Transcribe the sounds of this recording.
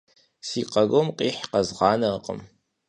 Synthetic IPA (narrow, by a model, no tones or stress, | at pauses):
siːqɐɣomqʼiːħqɐzʁɑːnɐqʼə̰m